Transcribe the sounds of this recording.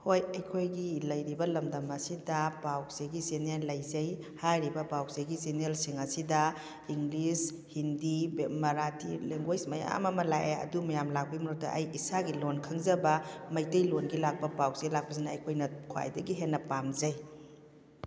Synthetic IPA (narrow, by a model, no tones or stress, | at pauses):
hojɐjkʰojɡilɐjɾibɐlɐmdɐmɐsidɐpawzeɡisenelːɐjzɐj | hajɾibɐpawzeɡisenelsiŋɐsidɐ | iŋɡlis | hindibmɐɾatʰileŋɡojsmɐja̰mɐmɐlajejɐ̰dumɐjamlak̚pimuɾut̚dɐ̰ʔɐjisaɡilonkʰɐŋzɐbɐmɐjtɐjlonɡilak̚pɐpawkselak̚pɐsinɐːjkʰojnɐkʰwa̰jdɐɡiɦenːɐpamzɐj